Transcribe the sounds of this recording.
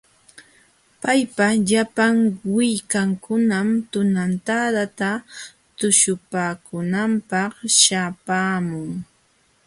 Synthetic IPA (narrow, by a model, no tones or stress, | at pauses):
pajpaʎapaŋwɪjkaŋkʊnamt̪ʊnant̪ad̪at̪a | t̪ʊʃʊpaːkʊnampɑχʃapaːmʊŋ